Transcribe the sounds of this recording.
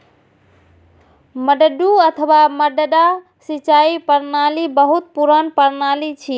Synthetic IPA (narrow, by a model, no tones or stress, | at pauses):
məɖəɖuət̪ʰəwaməɖəɖa | sit͡ʃaipəɾnalibəɦut̪̚puɾənpəɾnalit͡ʃʰi